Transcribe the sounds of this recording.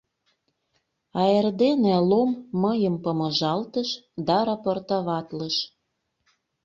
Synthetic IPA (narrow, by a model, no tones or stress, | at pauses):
ɑerd̪enelomːɤjəmpəmɤ̆ʒɑlt̪əʃd̪ɑɾɑport̪ɑβɑt̪ləʃ